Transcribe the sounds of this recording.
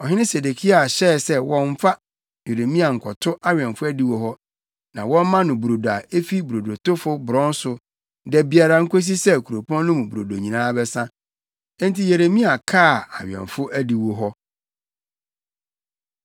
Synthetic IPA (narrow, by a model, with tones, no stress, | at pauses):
ɔ˨ɦɪ˦nɪ̃˦se˨de˨kʰi˦a˨a˨ɕɛ˦˨sɛ˦wɔ̃˦ɱ̩˦fa˦ | je˨ɾe˨mĩ˦a˨ŋ̩˨kʰɔ˨tʰʊ˦ʔa˦ɥᶣɛ̃˨nfʊ˦æ˦di˦wo˦ɦɔ˦ | nã˨wɔ̃˦m˦mã˦nʊ̃˨bu˨ɾo˨do˨a˨e˦fi˦bu˨ɾo˨do˨tʊ˦fʊ˦bʊ˨ɾɔ̃˦n˦sʊ˨ | dɛ˨bi˨a˨ɾa˨ŋ̩˦kʰo˦s̬i˦sɛ˦˨kʰu˨ɾo˨pʰɔ̃˦n˦nʊ̃˦mũ˨bu˨ɾo˨do˨ɲĩ˨nãː˦bɛ˦sã˦ | n˦ti˦je˨ɾe˨mĩ˦a˨kʰaː˦˨a˨ɥɛ̰̃˨nfʊ˦ʔæ˦di˨wo˦ɦɔ˦